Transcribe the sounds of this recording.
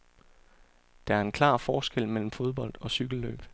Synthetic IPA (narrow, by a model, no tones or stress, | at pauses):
d̥ɑ̈æɐe̝nkʰlɑ̰̈ːfɒːsɡ̥el̰mel̰m̩fo̝ð̞ˠb̥ɒ̽l̰d̥ɒ̽syɡ̥l̩lø̰ːb̥